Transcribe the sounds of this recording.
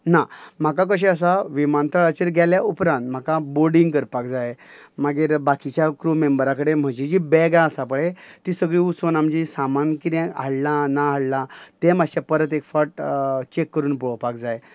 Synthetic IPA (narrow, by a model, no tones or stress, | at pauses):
nam̤ak̬ak̬əɕ̬ẽəs̬aʋimant̪ʰəɭat͡ɕeɾɡʱjɛljaʔupɾãnt̪m̤akaboɾɖĩŋɡkəɾpak̚d͡zajmaɡeːɾbakit͡ɕjakɾumembəɾakəɽem̤əd͡ʑed͡ʑibɛɡãəsapəɭet̪isəɡɭiːusonamd͡ʑisamankit̪ɛ̃aɭlãnaɦaɭlãt̪ẽm̤aɕapəɾət̪̬ekfaʈt͡ɕekːəɾuːnpɔɭpak̚d͡zaj